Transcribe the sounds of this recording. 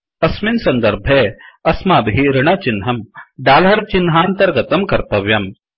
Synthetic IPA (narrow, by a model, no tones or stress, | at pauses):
ɐsminsɐnd̪ɐɾbʱeɐsmaːbɦiɾɪɳɐt͡ʃinɦɐmɖaːlɦɐɾt͡ʃinɦaːnt̪ɐɾɡɐt̪ɐmkɐɾt̪ɐʋjɐm